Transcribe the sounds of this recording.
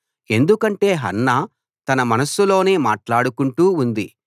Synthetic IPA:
e̞nd̪ukɐɳʈe̞ːɦɐ̰nːɐ | t̪ɐnɐmɐnɐsːulo̞ːneːmaːʈlaːɽukuɳʈuːnd̪i

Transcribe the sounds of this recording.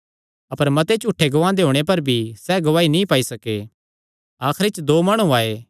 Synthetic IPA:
ɐpəɾmɐt̪et͡ʃuʈʰːeɡɐʋãːd̪eɦoːɽ̃ep̬ɐɾbʱisɛːɡɐʋaːinĩpaːisɐke | aːkʰɾet͡ʃd̪oːmɐɽ̃ũaːeː

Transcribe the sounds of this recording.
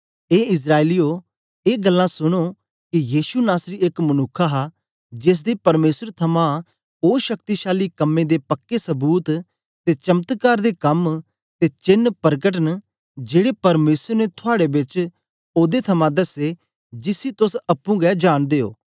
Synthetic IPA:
eːɪs̬ɾaːelijo | eːɡəlːãsʊɽ̃o | kijiːsunaːsɾiekmɐnʊkʰːaɦa | d͡ʒɪs̬d̪ipɐɾmeːsəɾt̪ʰɐmã | oːʃɐk̚t̪iʃaːlikɐmːẽd̪epɐkːesɐbuːt̪ | t̪et͡ʃɐmt̪kaːɾd̪ekɐm | t̪et͡ʃɪnːpɐɾɡəʈ̬ən | d͡ʒeːɽepɐɾmeːsəɾnet̪ʰʊaːɽebɪt͡ʃ | oːd̪et̪ʰɐmãd̪ɐse | d͡ʒɪsit̪ʊsɐpːũɡɛd͡ʒaːnd̪eːo̰ː

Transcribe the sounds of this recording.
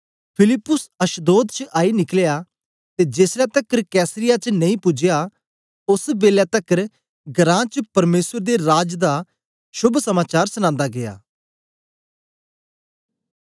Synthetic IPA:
pʰɪlɪpːʊsɐʃd̪oːd̪t͡ʃəʔaːinɪklja | t̪ed͡ʒeːsɾɛt̪əkəɾkɛːsəɾɪjat͡ʃnɐ̃ĩpʊd͡ʒja | ʊsbeːljat̪ɐkəɾ | ɡəɾãːt͡ʃəpɐɾmeːsəɾd̪eɾaːd͡ʒd̪a | ʃʊbʱsɐmaːt͡ʃaːɾsʊnãːnd̪aɡeja̰ː

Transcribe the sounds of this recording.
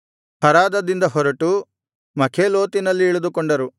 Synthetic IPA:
hɐɾaːd̪ɐd̪ind̪ɐɦɔɾɐʈu | mɐkʰeːloːt̪inɐlːiːɭud̪ukɔɳɖɐɾu

